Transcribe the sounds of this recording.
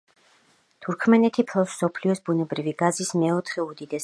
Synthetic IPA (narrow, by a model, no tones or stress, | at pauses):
t̪ʰuɾkʰmɛnɛt̪ʰipʰlˠɔsɔpʰliɔsbunɛbɾiviɡazismɛɔt̪ʰχɛud̪id̪ɛs